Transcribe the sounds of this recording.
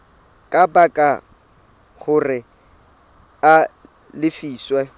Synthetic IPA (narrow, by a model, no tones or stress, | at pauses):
kʼabakʼa | χʊrɪ | a | lɪfiːswɛ